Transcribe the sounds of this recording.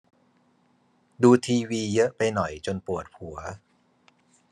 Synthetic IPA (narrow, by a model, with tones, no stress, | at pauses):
duː˧t̪ʰiː˧wiː˧jɤ˦˥pa˧jnɔ˨˩jt͡ɕo˧npu˨˩ət̪̚pʰu˩˦ɐ